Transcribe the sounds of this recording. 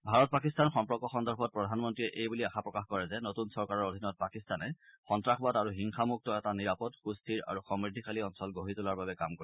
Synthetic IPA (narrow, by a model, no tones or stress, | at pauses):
bʱaɹɔt̚pak̬istanxɔmpɹɔkɔxɔndɔɹbʰʱɔt̚pɹɔdʱanmɔntɹiɛʔejbuliaxapɹɔkaxkɔɹɛzɛnotunsɔɹkaɹɔɹodʱinɔt̚pakistanɛxɔntɹaxʰbataɹuɦiŋxamuk̚tɔɛtaniɹapɔdxustʰiɹa̰ɹuxɔmɹidʱikaliɔnsɔlɡoɦitulaɹbabɛkamkoɹi